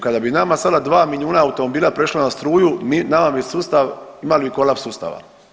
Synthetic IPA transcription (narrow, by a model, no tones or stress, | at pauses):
kad̪abinamasad̪ad̪ʋaːmiʎjuːnaːut̪omobiːlˠapɾe̞ʃlanast̪ɾuːjuminamabisuːst̪aʋimalbiko̞lapsuːst̪a̰ʋa̰